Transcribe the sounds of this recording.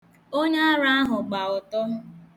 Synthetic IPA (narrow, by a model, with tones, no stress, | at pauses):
o˦ɲa˦a˦ɾa˦ɦʊ˨ɡ͡ba˨ʊ˨tɔ˦ɦʊ˦